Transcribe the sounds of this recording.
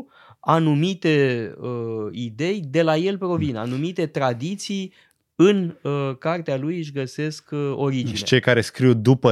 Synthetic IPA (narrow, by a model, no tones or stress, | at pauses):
anumit̪e̞əid̪e̞jd̪e̞laje̞lpɾo̞vina̰numit̪e̞t̪ɾad̪it̪sij | ɨnkart̪ealujɨʃ̬ʲɡəse̞sko̞ɾid͡ʒinʃit͡ʃejkaɾe̞skɾiwd̪upə